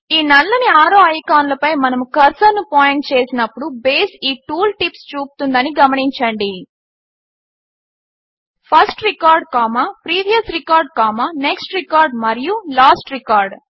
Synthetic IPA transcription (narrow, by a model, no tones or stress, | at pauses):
iːnɐlːɐniaːɾoːɐjkaːnlɐpɐjmɐnɐmukɐɾsɐnːupaːjeɳʈ̚t͡ʃe̞ːsinɐpːuɽubeːsiːʈuːlʈipst͡ʃuːpu̥t̪und̪ɐniɡɐmɐniɲt͡ʃɐɳɖi | pʰɐsʈɾikaːɾɖ̚kaːmaːpɾiːʋijɐsɾikaːɾɖ̚kaːmaːneksʈɾikaːɾɖmɐɾijulaːsʈɾikaːɾɖ